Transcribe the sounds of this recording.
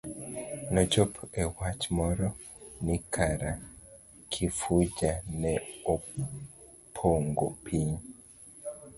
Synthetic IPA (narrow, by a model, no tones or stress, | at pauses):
nɔd͡ʒɔpʰɛwat͡ʃmɔɾɔ | nikʰaɾa | kʰifud͡ʒanɛo | pʰoŋɡopʰiɲ